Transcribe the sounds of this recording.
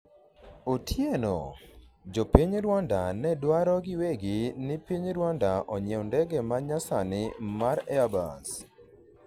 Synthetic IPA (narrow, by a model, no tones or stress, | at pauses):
otʰjeno̰d͡ʒopiɲɾwandanɛdwaɾɔɡɪweɡɪnɪpiɲɾwandaʔɔɲɛndɛɡɛmaɲasanɪmaɾɛaba̰s